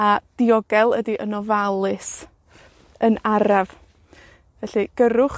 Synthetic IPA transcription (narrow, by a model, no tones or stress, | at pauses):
ad̥iɔɡɛlˠədiʔənɔvalˠɨs | ənaɾav | vɛɬɨɡ̥əɾʊχ